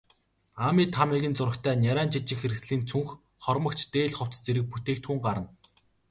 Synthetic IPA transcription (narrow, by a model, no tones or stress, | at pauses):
amiːt̪ʰamiɣʲɘ̆nt͡sʊɾə̆kt̪ʰæːnʲaɾæːnt͡ɕiɮt͡ɕɪ̆xeɾksɮiːnt͡sʰuŋx | χɔrmə̆kt͡ɕʰt̪eːɮχʊw̥t͡st͡seɾɘ̆k̚put̪eːkt̪ʰxuːŋɢaɾə̆n